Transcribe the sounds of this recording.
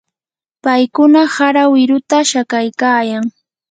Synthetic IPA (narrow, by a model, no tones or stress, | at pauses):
pajkʊnahaɾawɪɾʊt̪aʃakajkaːjaŋ